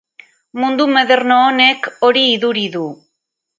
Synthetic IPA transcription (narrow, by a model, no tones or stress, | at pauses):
mund̪umeðe̞ɾnoːne̞ko̞ɾiːðuɾiðu